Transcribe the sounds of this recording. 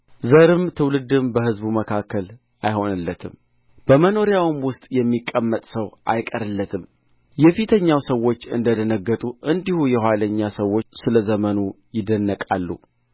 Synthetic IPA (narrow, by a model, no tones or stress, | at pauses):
zəɾɨmt̪ʰɨwlɨd̪ɨmbəhɨzbuməkʰakːəl | ajho̞nɨlːət̪ʰɨm | b̥əməno̞ɾjawɨmwʊst̪ʼjɛmːikʼːəmːət̪ʼsəwʔa̰jkʼəɾɨlːət̪ʰɨm | jɛfit̪ʰəɲːawsəwːo̞t͡ʃːɨnd̪əd̪ənəɡːət̪ʼuʔɨnd̪ihujɛhʷwaləɲːasəwːo̞sɨləzəmənujɪd̪ənːəkʼa̰lːṵ